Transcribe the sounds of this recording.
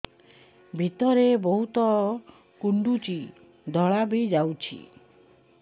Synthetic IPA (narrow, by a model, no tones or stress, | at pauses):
bʱit̪ɔɾebɔɦut̪ɔ | kuɳɖut͡ʃi | d̪ʱɔɭabid͡ʒawt͡ʃʰḭ